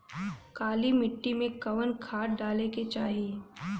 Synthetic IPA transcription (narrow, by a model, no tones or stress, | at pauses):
kaːlimɪʈːimẽkɐʋənkʰaːʈ̚ɖaːleket͡ʃaːɦi